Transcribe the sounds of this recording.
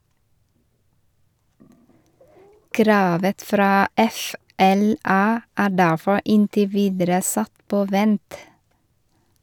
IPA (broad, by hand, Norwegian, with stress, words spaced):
ˈkɾɑːʋə ˈfɾɑː ˈɛfɛlɑ ˈæː ˈɖæfɔ ˈɪntɪ ˈʋiːdəɾə ˈsɑt ˈpoː ˈʋɛnt